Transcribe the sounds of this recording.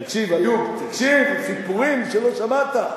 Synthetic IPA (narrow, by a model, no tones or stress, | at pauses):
kʃivajut̪akʃivsipuʁimʃeloʃamat̪a